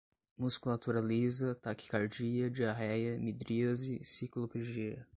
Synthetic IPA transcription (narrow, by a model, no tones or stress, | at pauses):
muskulat̪uɾɐlizɐt̪aki̥kaɾd͡ʒiɐd͡ʒiaɦɛjɐmid̪ɾiɐzɪsikloped͡ʒiɐ